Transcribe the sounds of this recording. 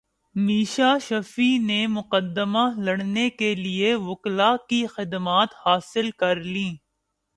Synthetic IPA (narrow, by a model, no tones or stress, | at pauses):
miːʃaʃɐfinemʊqəd̪ːəmalɐɽnekelieʋʊklakixɪd̪maːt̪haːsɪlkɐɾlĩː